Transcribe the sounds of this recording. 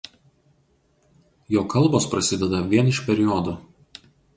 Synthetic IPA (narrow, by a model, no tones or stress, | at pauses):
joːkɐlˠboːspɾɐsʲɪd̪ʲɛd̪ɐʋʲiɛnɪʃpʲɛɾʲɪjɔd̪o